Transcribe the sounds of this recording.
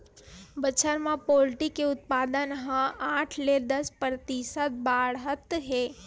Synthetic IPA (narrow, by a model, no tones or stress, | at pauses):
bət͡ʃʰəɾmãpoːlʈikeʊt̪̚paːd̪ənɦãaːʈʰled̪əspɾət̪isət̪̚baːɽɦət̪ɦeː